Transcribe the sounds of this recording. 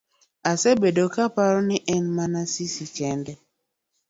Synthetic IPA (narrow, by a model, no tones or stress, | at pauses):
asebedokapaɾɔniʔɛnmanasisikɛndɛ